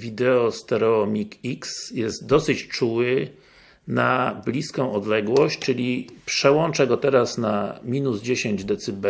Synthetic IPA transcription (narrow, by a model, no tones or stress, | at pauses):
vʲid̪ɛɔst̪ɛɾɔmʲikiksjɛst̪̚d̪ɔsɘt͡ɕt͡ʂuwɘ | nablʲiskɔ̃w̃ɔd̪lɛɡwɔɕt͡ɕt͡ʂɘlʲipʂɛwɔnt͡ʂaɡɔt̪ɛɾasnamʲinuzd͡ʑeɕeɲd͡ʑd̪ɛt̪sɘbɛ